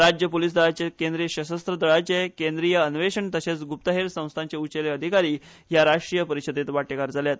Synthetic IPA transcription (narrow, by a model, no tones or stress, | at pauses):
ɾad͡ʑjəpoliːs̬d̪əɭat͡ɕekend̪ɾijəɕəsəst̪ɾəd̪əɭat͡ɕekend̪ɾijəːnʋeɕəɳt̪əɕet͡sɡup̚t̪əɦeɾsə̃w̃st̪ʰaɲt͡ɕeut͡ɕeleəd̪ʱikaɾiː | ɦjaɾaʂʈɾijəpəɾiɕəd̪et̪ʋaʈekaɾd͡zʱaljat̪